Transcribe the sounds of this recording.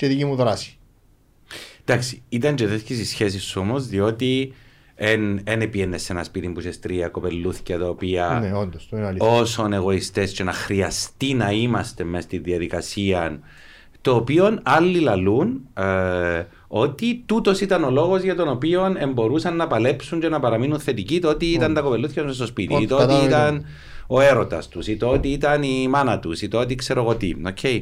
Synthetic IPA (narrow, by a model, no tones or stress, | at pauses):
t͡ʃet̪icimuðɾɐsi̥ | d̪aksi̥it̪ɐɲɟeðescisisçe̞s̬isːuo̞mo̞zðio̞t̪i | enenepienːesːenɐspit̪imbusest̪ɾiɐkope̞lːuθi̥ct̪ɐopiɐneond̪ost̪oinɐlio̞sone̞ɣo̞ist̪e̞sce̞nɐxɾiɐst̪inɐimɐst̪e̞mest̪inðiɐðikɐsiɐn | t̪o̞ːpio̞nɐlːilɐlun | o̞t̪it̪ut̪o̞sit̪ɐno̞lo̞ɣo̞zʝɐt̪o̞no̞pio̞ne̞mbo̞ɾusɐnːɐpɐle̞psuɲt͡ʃe̞nɐpɐɾɐminunθe̞t̪icit̪oot̪iit̪ɐnt̪ɐko̞pelːuθçɐzmes̬t̪ospit̪it̪oot̪iit̪ɐn | o̞e̞ɾo̞t̪ɐ̰st̪usit̪oot̪iit̪ɐnimɐnɐt̪usit̪oot̪ikse̞ɾoɣo̞t̪ḭocʰej